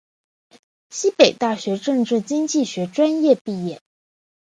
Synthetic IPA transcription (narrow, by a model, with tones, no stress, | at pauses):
ɕi˥pe˨˩ɪt̪a˥˩ɕɥɛ˧˥ʈ͡ʂɤ˥˧ŋʈ͡ʂɻ̩˥˩t͡ɕi˥ŋt͡ɕi˥˩ɕɥɛ˧˥ʈ͡ʂwa˥njɛ˥˧pi˥˧jɛ˥˩